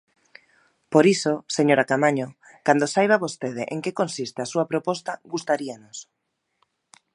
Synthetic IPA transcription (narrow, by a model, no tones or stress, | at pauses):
poɾisoseɲoɾakamaɲo | kand̪osajβ̞aβost̪eð̞eʔeŋkekonsist̪easuɐpɾopɔst̪ɐɡust̪aɾianos